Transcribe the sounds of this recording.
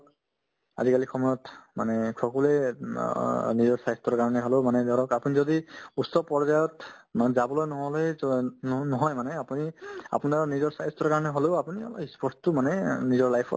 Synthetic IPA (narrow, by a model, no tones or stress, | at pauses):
a̰zikalikʰɔmɔɹɔtmanɛkʰɔkɔle | nizɔɹsajɔstɔɹkaɹɔnɛɦolemanɛd̪ɔɹɔkapunizɔdiusːɔpɔɹzajɔtmanzabɔlojnɔɦɔlɔj | nɔɦɔjmanɛapunia̰punaɹnizɔɹsajstɔɹkaɹɔnɛɦoleʊapuniɔ̰lispʰɔɹstumanɛnizɔɹlajpʰɔ̰